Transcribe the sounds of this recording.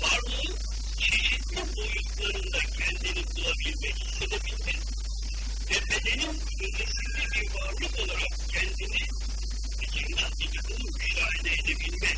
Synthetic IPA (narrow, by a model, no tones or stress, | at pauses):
vaɾlˠɯɯn | t͡ʃʰe̞ʃit̪lʲibojuluklˠaɾɯnd̪acʰɛnd̪inibulˠabilʲmɛçhisːe̞d̪ebilʲmɛɾ | vɛbe̞d̪e̞ninyd̪ynd̪esind̪ɛbiɾvaɾlˠɯko̞lˠaɾak̚cʰɛnd̪ini | ed͡ʒ̪ʰiɾd̪anbikɯnɯmyʃaːilʲɛed̪ebilʲmɛ